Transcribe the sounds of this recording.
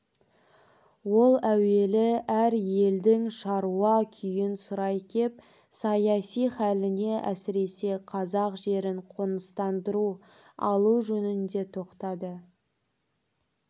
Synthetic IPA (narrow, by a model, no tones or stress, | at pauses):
wo̞lˠæwe̞lɪæɾje̞ld̪ɪŋʃɑɾuɑkʲʰʏjɪnsʊɾɑjkʲʰe̞p̚ | sɑjɑsijχælɪne̞ʔæsɪɾe̞se̞qʰɑzɑqʒe̞ɾɪɴqʰonəst̪ɑnd̪əɾu | ɑ̰lˠuʒɵnɪnd̪e̞t̪ʰo̞qt̪ɑd̪ə